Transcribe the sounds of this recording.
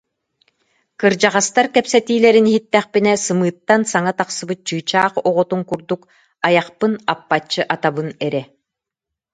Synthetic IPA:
kɯɾd͡ʑaʁast̪aɾkɛpsɛt̪iːlɛɾiniɦit̪ːɛχpinɛsɯmɯːt̪ːansaŋat̪aqsɯbɯt̪̚t͡ɕɯːt͡ɕaːχɔʁɔt̪uŋkuɾd̪uk | ajaχpɯnapːat͡ɕːɯʔat̪abɯnɛɾɛ

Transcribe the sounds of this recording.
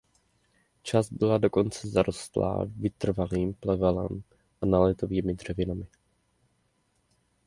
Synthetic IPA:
t͡ʃazbɪlado̞ko̞nt͡sɛzaɾʔo̞st̪la̰ːvɪt̪r̩valiːmplɛvɛlɛ̰m | ʔanalɛt̪o̞viːmɪd̪r̝̥ɛvɪnamɪ

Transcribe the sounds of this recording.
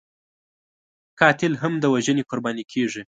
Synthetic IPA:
kɑt̪ɪlɦamd̪əwaʒənekʊɾbɑnikʰeʐi

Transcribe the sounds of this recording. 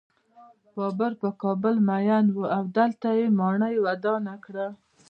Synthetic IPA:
bɑbəɾpəkɑbəlmajanwuawd̪əlt̪ajemɑɳəjwad̪ɑnakɽa

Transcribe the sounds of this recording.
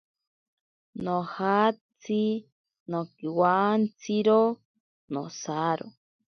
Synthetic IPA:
nõhat͡si | nõkiwant͡siɾo | nõ̰saɾo̰

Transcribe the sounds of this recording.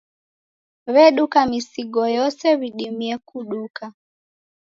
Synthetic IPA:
βɛɗukamisiɡɔjɔsɛβiɗimiɛkuɗuka

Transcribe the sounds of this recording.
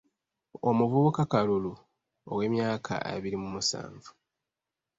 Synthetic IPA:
omuvuβukakalulu | owe̞ːmjaːkʰa̰ʔḛβiɾimumusa̰ːɱvu

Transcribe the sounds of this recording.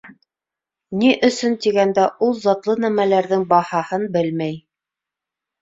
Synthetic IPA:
niʔɵ̆sɵnt̪iɡænd̪æʔulˠzɑt̪lˠɤnæmælæɾðɘŋbɑhɑhɤnbɘlmæj

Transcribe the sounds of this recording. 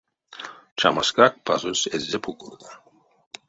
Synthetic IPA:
t͡ʃʰa̰maskɾak̚pʰazusɛzːɛpʰukʼuɾd̪an

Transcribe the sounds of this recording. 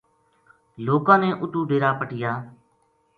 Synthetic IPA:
loːkãːnẽːʔʊʈuːɖeːɾaːpəʈɪjaː

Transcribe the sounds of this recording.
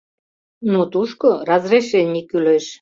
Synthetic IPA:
not̪uʃkorazreʃenʲikːyløʃ

